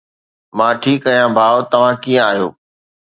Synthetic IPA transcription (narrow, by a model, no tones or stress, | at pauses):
mãːʈʰiːkːɐijãbʱaːʋt̪ɐʋ̤ãkijə̃aːɦjo̰ː